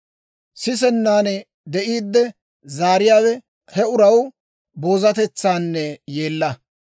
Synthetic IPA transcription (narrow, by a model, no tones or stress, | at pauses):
sɪs̬ɛnːaːnɛ | d̪ɛʔiːd̪ːɛ | zaːɾɪjaːwɛ | hɛʊɾɐw | bo̞ːzɐt̪ɛt͡sːaːnːɛje̞ːlːɐ